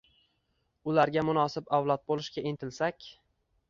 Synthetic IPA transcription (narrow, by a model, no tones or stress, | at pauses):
ʊlaɾɡʲamʊnɒsɪbawlˠɒt̪̚bolˠɪʃɡʲaent̪ʰɪlsakʲ